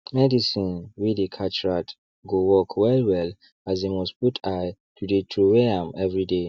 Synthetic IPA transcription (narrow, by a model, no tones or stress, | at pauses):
mɛdisĩnwidekʰat͡ʃɹat | ɡowɔkʰwɛlwɛl | azimɔsputʰajtʰudetʰɹuwɛãmɛvɹide